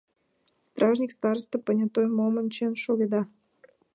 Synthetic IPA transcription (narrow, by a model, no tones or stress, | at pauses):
st̪ɾʔɑʒnʲikst̪ɑɾst̪əpənʲat̪ojmomənt͡ɕenʃoɡʲed̪ɑ